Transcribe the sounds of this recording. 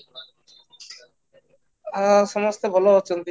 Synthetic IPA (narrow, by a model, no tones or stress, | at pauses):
aʃɔmost̪ebʱɔloɔt͡ɕont̪i